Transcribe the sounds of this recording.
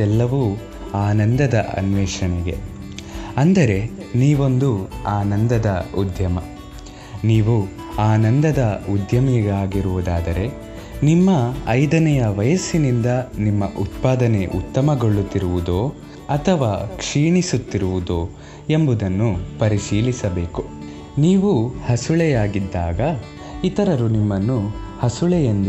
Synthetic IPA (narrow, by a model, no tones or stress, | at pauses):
ɛlːɐʋuː | aːnɐnd̪ɐd̪ɐʔɐ̰nʋɛːʂɐɳɛɡe̞̰ | ɐnd̪ɐɾe̞niːʋo̞nd̪uaːnɐnd̪ɐd̪ɐud̪ʱjɐmɐ | niːʋu | aːnɐnd̪ɐd̪ɐud̪ʱjɐmɛɡaːɡiɾuʋud̪aːd̪ɐɾe̞ | nimːɐɐjd̪ɐnɐjɐʋɐjɐsːinind̪ɐnimːɐʔut̪paːd̪ɐneʔut̪ːɐmɐɡoɭːut̪ːiɾuʋud̪o̞ː | ɐt̪ʰɐʋaːkʂiːɳisut̪ːiɾuʋud̪o̞ː | e̞mbud̪ɐnːupɐɾiʃiːlisɐbeːku | niːʋuhɐsuɭɛjaːɡid̪ːaːɡɐ | it̪ɐɾɐɾunimːɐnːuhɐsuɭɛjɐnd̪